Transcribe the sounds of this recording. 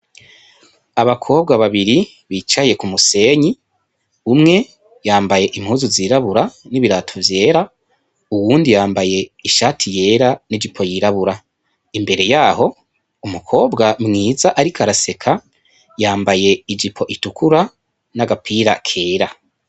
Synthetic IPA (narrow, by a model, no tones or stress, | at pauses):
aβakʰo̞ːb̚ɡaβaβiɾi | βiːt͡ʃaje̞kumuse̞ːɲi | umŋe̞ | jaːmbaje̞ʔim̥huːzuziːɾaβuɾaniβiɾatʰovje̞ːɾa | uwuːndijaːmbaje̞iʃaːtʰije̞ːɾanid͡ʒipʰo̞jiɾaβuɾa | imbe̞ɾe̞jaːɦo̞ | umukʰo̞ːbɡamŋiːzaʔaɾikʰaɾase̞kʰa | jaːmbaje̞id͡ʒipʰo̞ʔitukʰuɾa | naɡapʰiɾa̰kʰe̞ːɾa